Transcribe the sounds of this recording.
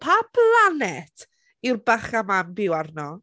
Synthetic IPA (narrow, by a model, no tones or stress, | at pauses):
pʰapʰlˠanɛtʰ | irbaχamambɪwarnɔ